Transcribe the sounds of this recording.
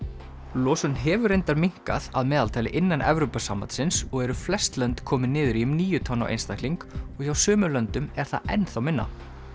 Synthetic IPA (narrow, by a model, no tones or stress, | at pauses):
lɔːsʏnɦɛːvʏɾejnt̪aɾmiŋ̥ka̰ða̰ðmɛːðalt̪ʰaːjlɪʔɪnːanʔɛ̰vɾowpasamːant̪sɪnsɔɣɛɾʏflɛst̪lœnt̪kʰɔːmɪnɪːðʏɾiʏmniːjʏt̪ʰɔna̰ʔḛjnst̪ajk̪liŋkɔɣ̥çawsœːmʏlœnt̪ʏmɛɾ̥θa̰ɛ̰nθawmɪnːa̰